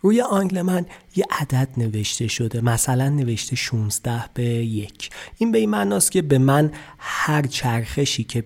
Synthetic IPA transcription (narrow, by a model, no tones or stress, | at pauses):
ɾuːje̞ʔɒːŋɡle̞mænje̞ʔæd̪æd̪̥ne̞ve̞ʃt̪e̞ʃo̞d̪e̞mæsælænːe̞ve̞ʃt̪ʰeʃuːnzd̪æhb̥eje̞cʰʔinbe̞imænɒːst̪̚cʰe̞be̞mænhæɾt͡ʃʰæɾxe̞ʃiːcʰe̞